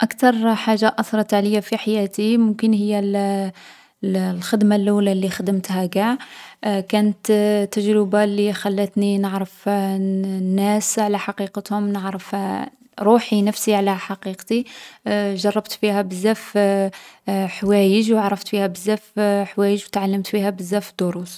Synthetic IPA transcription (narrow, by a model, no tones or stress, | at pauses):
ʔakt̪ɑɾˤħaʒːaʔɑsɾˤɑt̪ʕaləjːafiħajæt̪imʊmkənhəjːæl | lxəd̪malːuwlalːixəd̪əmt̪hæɡaʕkænət̪t̪ːæʒɾəbalːixælːət̪ninəʕɾəf | nːæsʕlæħɑqiqət̪hʊmnəʕɾəf | ɾˤuħinəfsiʕlæħɑqiqt̪i | ʒɑrˤːɑbt̪fihæbəzːæf | ħwæjəʒwaʕɾˤːɑft̪fihæbəzːæfħwæjəʒwt̪ʕalːəmt̪fihæbəzːæfd̪oɾus